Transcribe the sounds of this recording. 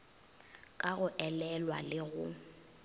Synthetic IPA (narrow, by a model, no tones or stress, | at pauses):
kʼaɣʊʔɛlɛlwalɪɣʊ